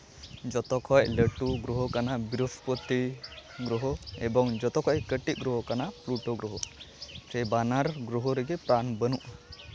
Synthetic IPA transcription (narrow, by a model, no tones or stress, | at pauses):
d͡ʒɔt̪ɔkʰɔjləʈuɡɾuɦɔkanabiɾuspɔt̪iɡɾɔɦɔɛbɔŋd͡ʒɔt̪ɔkʰɔjkəʈit̪̚ɡɾuɦɔkanapluʈɔɡɾɔɦɔsɛbanaɾɡɾuɦɔɾɛɡipɾanbənuʔ